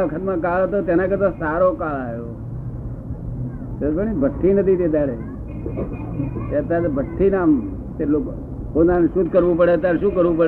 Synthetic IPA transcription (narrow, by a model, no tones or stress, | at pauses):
əkʰət̪mãkaɭt̪ot̪enãket̪osaɾokaɭajo | t̪ebəɳ̃ibʱət̪ʰːinət̪ʰid̪ed̪aɽe | t̪eət̪ːat̪bʱət̪ʰːinam | t̪elok | onanʃud̪ʱkəɾʋũpəɽet̪aɾʃũkəɾʋũpəɽ